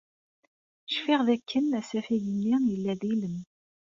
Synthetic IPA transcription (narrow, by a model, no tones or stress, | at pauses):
ʃfɪʁðækːənæsæfæjənːijəlːæðiləm